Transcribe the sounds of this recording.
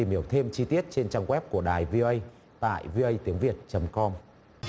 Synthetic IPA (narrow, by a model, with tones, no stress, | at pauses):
t̪i˨˩mhi˧˩əwt̪ʰe˧mt͡ɕi˧t̪i˦˥ət̚t͡ɕe˧nt͡ɕaː˧ŋɣwɛ˦˥p̚ku˧˩əɗaː˨˩jvi˧ʔə˧j | t̪a̰ː˧˨jvi˧ʔə˧jt̪i˨˦əŋvi˨˩ət̚t͡ɕə˨˦mkɔ˧m